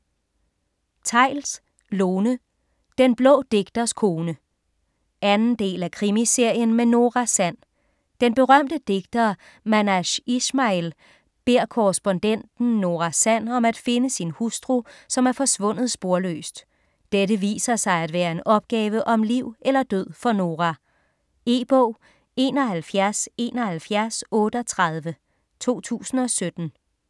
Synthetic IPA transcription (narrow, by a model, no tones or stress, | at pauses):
t͡sʰɑ̈ɪ̰ls | loːnə | d̥enb̥lɔ̰̽ːd̥e̝ɡ̥̚d̥ɐskʰo̝ːnə | ænn̩d̥e̝̰ːlækʰʁimise̝ɐ̰jənmeno̝ːʁɑsæn̰ | d̥enb̥e̝ʁɶm̰d̥əd̥e̝ɡ̥̚d̥ɐ | mænæɕismɑel | b̥e̝ɐ̰kʰɔʁəsb̥ɔ̽nd̥en̰d̥n̩ːo̝ʁɑsæn̰ɒ̽mæd̥fe̝nəsinhusd̥ʁusɒ̽mæɐfɒ̽sʋɔ̽n̰ð̞̩ˠsb̥o̝ɐlø̰ːsd̥ | d̥eɾəʋḭːsɐsɑ̈ɪæd̥ʋæːɐe̝nʔɒ̽b̥̚ɡ̥ɛːʋəʔɒ̽mliʊ̰elɐd̥øð̞̰ˠfɒ̽no̝ːʁæ | e̝ːb̥ɔʊ̰ | e̝̰ːnɒ̽ɦælfjæɐse̝̰ːnɒ̽hælfjæɐsɔ̽ːɾ̥əɒt͡sʰʁɑð̞ˠʋə | t͡sʰo̝̰ːt͡sʰṵːsn̩ɒ̽sød̥n̩